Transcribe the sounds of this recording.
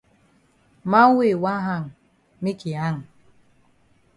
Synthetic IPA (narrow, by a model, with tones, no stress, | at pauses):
ma˦ŋ˦we˦˨wa˦ɦa˦˨ŋ˨ | mi˦ki˨a˦˨ŋ˨